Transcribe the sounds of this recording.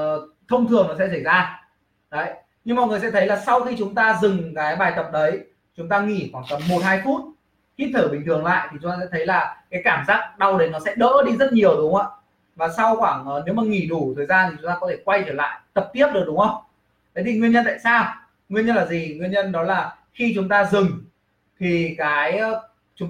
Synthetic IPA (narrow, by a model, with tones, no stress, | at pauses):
t̪ʰə˧wŋ͡mt̪ʰɨ˨˩əŋmaː˨˩sɛ̰˧˥s̬ə˧˩jzaː˧ | ɗə˨˦j | ɲɨ˧ŋmɔ̰˧˨jŋɨ˨˩əjsɛ̰˧˥t̪ʰjlaː˨˩sa˧wxi˧t͡ɕʊ˨˦ŋ͡mt̪aː˧zɨ˨˩ŋkaː˨˦jɓaː˨˩jt̪ə˨˩p̚ɗə˨˦j | t͡ɕʊ˨˦ŋ͡mt̪aː˧ŋḭ˧˩xwaː˧˩ŋt̪ə˨˩p̚mo˨˩t̚haː˧jfu˦˥t̚ | h̪i˦˥p̚t̪ʰəː˧˩ɓï˨˩ŋ̟t̪ɨ˨˩əŋla̰ː˧˨jt̪ʰi˨˩t͡ɕʊ˨˦ŋ͡mt̪aː˧sɛ̰˧˥t̪ʰjlaː˨˩kaː˨˦jkaː˧˩mzaː˦˥k̚ɗa˧wɗe˨˦nɔ˨˦sɛ̰˧˥ɗə̰ː˧˥ɗi˧zə˦˥t̚ɲi˨˩əwɗʊ˨˦ŋ͡ma̰ː˧˥ | vaː˨˩sa˧wxwaː˧˩ŋː˨˩ne˨˦wmaː˨˩ŋi˧˩ɗu˧˩t̪ʰəː˨˩jzaː˧nt̪ʰi˨˩t͡ɕʊ˨˦ŋ͡mt̪aː˧kɔ˨˦t̪ʰe˧˩kwa˧jt͡ɕəː˧˩la̰ː˧˨jt̪ə˨˩p̚t̪i˦˥əp̚ɗɨ˨˩k̚ɗʊ˨˦ŋ͡mhə˧wŋ͡m | kə˨˦ɗi˧˩ŋwi˧ənɲə˧nt̪a̰ː˧˨saː˧w | ŋwi˧ənɲə˧nlaː˨˩zi˨˩ŋwi˧ənɲə˧nɗɔ˨˦laː˨˩ | xi˧t͡ɕʊ˨˦ŋ͡mt̪aː˧zɨ˨˩ŋ | t̪ʰi˨˩kaː˨˦j | t͡ɕʊ˨˦ŋ͡m